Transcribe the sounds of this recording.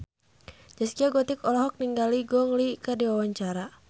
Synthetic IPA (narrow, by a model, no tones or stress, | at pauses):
d͡ʒaskiaɡɔt̪ikɔlɔɦɔk̚niŋɡaliɡɔŋlikədiwawaɲt͡ʃaɾa